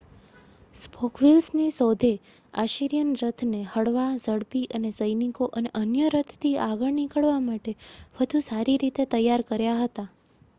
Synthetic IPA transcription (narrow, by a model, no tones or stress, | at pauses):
spʰɔkʰʋilsnisɔd̪ʱe | aʃiɾijənɾət̪ʰnehəɽʋazəɽpiʔənezəjnikoʔəneʔənjəɾət̪ʰt̪ʰiaɡəɭnikəɭʋamaʈeʋəd̪ʱusaɾiɾit̪et̪əjːaɾkəɾjaɦət̪a